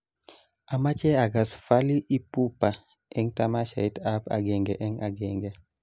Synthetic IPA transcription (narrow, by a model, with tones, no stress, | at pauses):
a˨ma˦t͡ʃɛ˦a˨ɡa˨sfa˦li˦ʔi˦pu˦pa˨ | ɛ˦ŋta˦ma˦ʃa̰˨i˦ta˦pa̰˨ɡɛ˨ŋɡɛ˨ʔɛ˦ŋa̰˨ɡɛ˨ŋɡɛ˨